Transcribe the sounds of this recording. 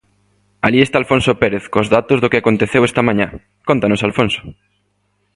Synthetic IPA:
aliest̪aːlfõnsopeɾeθkozðat̪ozðokɪakont̪eθewɛst̪ɐamãɲã | kont̪anosalfonso̥

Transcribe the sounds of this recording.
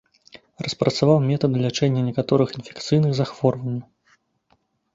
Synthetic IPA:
rɐspɾɐt̪savawmʲɛt̪ɐd̪ɨlʲat͡ʂɛnʲːɐnʲɛkat̪ɔɾɨxinfʲɛ̥kt̪sɨjnɨɣzaxvɔrvɐnʲːɐ

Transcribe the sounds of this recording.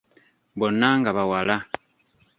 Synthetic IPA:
bonaŋɡaβawala

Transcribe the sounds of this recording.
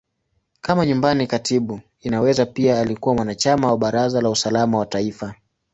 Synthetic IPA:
kamaɲumbanikatiɓu | inawɛzapiaːlikuwamwanat͡ʃamawaɓaɾazalausalamawataifa

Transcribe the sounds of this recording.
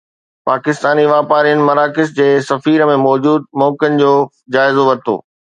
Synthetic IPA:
paːkɪst̪aːniʋaːpaːɾijənɪ̆mɐɾaːkɪsd͡ʑeːsɐfiːɾəmẽmɔːd͡ʑuːd̪̚mɔːkənɪ̆d͡ʑoː | d͡ʑaːɪzoʋɐɾt̪ʰo̰ː

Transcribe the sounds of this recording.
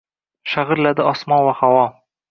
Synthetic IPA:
ʃaʁɨɾlad̪ɪɒsmɒnvahawɒ

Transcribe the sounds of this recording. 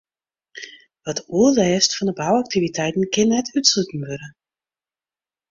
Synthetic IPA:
ʋɔtuəlɛːstfɔndəbawak̚tivitʰɛjtn̩kɪnɛtytsutn̩ʋøɾə

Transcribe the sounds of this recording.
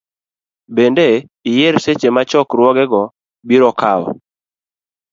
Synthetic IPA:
bendeijeɾset͡ʃemat͡ʃɔkɾwɔɡɛɡɔ | biɾɔkawɔ̰

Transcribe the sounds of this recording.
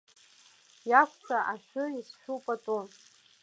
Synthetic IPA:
jakʷt͡sʰaʔaʃʷᶣʊisʃᶣupʼat͡sʼu

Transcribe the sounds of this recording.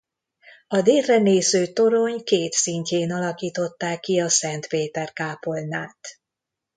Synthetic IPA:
ɒd̪eːlrɛneːzøːt̪o̞ɾo̞ɲkeːt̪siɲceːnɒlɒkiːt̪o̞t̪ːaːkːiɒsɛnt̪peːt̪ɛrkaːpo̞lnːaːt̪

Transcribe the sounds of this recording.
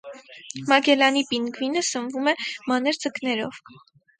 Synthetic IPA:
mɑɡɛlɑnipinɡvinəsənvumɛmɑnɛɾd͡zəknɛɾɔ̰v

